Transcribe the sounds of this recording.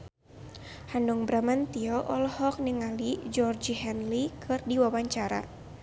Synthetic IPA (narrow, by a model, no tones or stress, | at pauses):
hanuŋbɾamant̪iɔʔɔlhɔk̚niŋalid͡ʒɔrd͡ʒihɛnlikʰɨrdiwawaɲt͡ʃaɾa̰